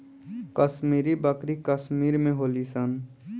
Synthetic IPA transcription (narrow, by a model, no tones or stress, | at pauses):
kəsmiːɾibəkɾikəsmiːɾmẽɦoːlisən